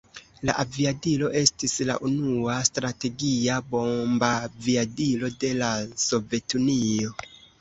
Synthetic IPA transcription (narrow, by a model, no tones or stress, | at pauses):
la̰ʔaviadilo̞ʔe̞stisla̰ʔunuastɾate̞ɡiabo̞mbaviadilo̞de̞laso̞ve̞tunio̞